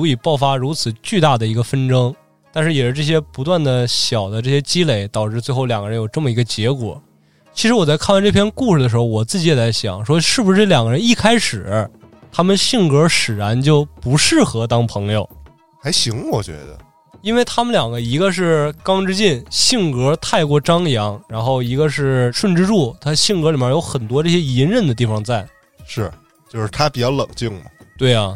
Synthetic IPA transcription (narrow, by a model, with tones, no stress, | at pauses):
u˧˥i˨˩pɑ˥˩ʊfa˥ɻu˧˥t͡sʰɹ̩˨˩t͡ɕy˥˧t̪a˥˩d̪ə˩i˧˥ɡə˧fə˥nʈ͡ʂɤ˥ŋ | t̪a˥˧nʂɻ̩˥˩jɛ˨˩ʂ̩˥ʈ͡ʂɤ˥˩ɕ̬jɛ˥pu˧˥t̪̬wa˥˩nd̪ə˩ɕjɑ˨˩ʊd̪ə˦ʈ͡ʂɤ˥˩ɕjɛ˥t͡ɕi˥le˧˥ɪt̪ɑ˨˩ʊʈ͡ʂɻ̩˥˧t͡swe˥˧ɪxo˥˩ʊljɑ˨˩ŋɡə˧ɻə˧˥njʊʈ͡ʂɤ˥˩mə˩i˧˥ɡə˧t͡ɕjɛ˧˥kwɔ̰˨˩˦ | t͡ɕʰi˧˥ʂɻ̩˧˥wɔ˨˩t͡sa˥˧ɪkʰnwa˥˧nʈ͡ʂɤ˥˩pʰjɛ˥nku˥˩ʂɻ̩˩d̪ə˩ʂɻ̩˧˥xo˥˧wɔ˨˩t͡sɹ̩˥˩t͡ɕi˧˥jɛ˨˩t͡sa˥ɪɕjɑ̰˨˩˦ŋʂwɔ˥ʂɻ̩˥˩bu˩ʂɻ̩˥˩ljɑ˨˩ŋɡə˧ɻə˧˥ni˥˩kʰa˥ɪʂɻ̩˨˩ə˦˥ | t̪ʰa˥mə˨nɕi˥˩ŋkɤ˥ʂɻ̩˨˩ɻa˧˥nt͡ɕjo˥˩ʊpu˧˥ʂɻ̩˥˩xɤ˧˥t̪ɑ˥ŋpʰɤ˧˥ŋjo˧ʊ | xa˧˥ɪɕi˧˥ŋwɔ˨˩t͡ɕɥɛ̰˧˥d̪ə̰˧ | i˥nwe˥˩ɪt̪ʰa˥mə˨nljɑ˨˩ŋɡə˦i˧˥ɡə˧ʂ̬ɻ̩˥˩kɑ˥ŋʈ͡ʂɻ̩˥t͡ɕɛ˥˧nɕi˥˩ŋkɤ˧˥t̪ʰa˥˧ɪkwɔ˥˩ʈ͡ʂɑ˥ŋjɑ˧˥ŋɻa˧˥nxo˥˩ʊi˧˥ɡə˧ʂɻ̩˥˩ʂwə˥˧nʈ͡ʂɻ̩˥ʈ͡ʂu˥˩t̪ʰa˥ɕi˥˩ŋkɤ˧˥li˨˩bjɛ˥˩jo˧˥ʊxə˨˩nt̪wɔ˥ʈ͡ʂɤ˥˩ɕjɛ˥i˧˥nɻə˥˩nd̪ə˩t̪̬i˥˩fɑ˧ŋt͡sa˥˩ɪ | ʂɻ̩˥˩ | t͡ɕjo˥˧ʊʂɻ̩˥t̪ʰa˥pi˨˩t͡ɕjɑ˥˩ʊlɤ˨˩ŋt͡ɕi˥˩ŋmɐ̰˩t̪we˥˩ɪɐ˩